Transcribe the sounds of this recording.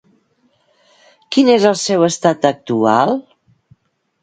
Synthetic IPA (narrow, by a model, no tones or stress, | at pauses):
kinezəlˠsɛwəst̪at̪ək̚t̪ualˠ